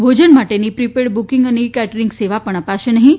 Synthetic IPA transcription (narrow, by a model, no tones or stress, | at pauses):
bʱod͡ʒənmaʈenipɾipeɽbukiŋɡənikɛʈəɾiŋɡseʋapəɳəpaʃenəɦĩ